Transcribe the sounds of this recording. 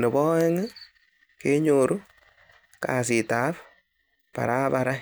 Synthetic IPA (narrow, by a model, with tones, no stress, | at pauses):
ne˨bɔ˦ɛ˦ŋɨ˦ | ke˦ɲo˨ɾu˦ | ka̰˨s̬ɪ˨ta˨˦p | pa̰˨ɾa˦pa˨ɾa˦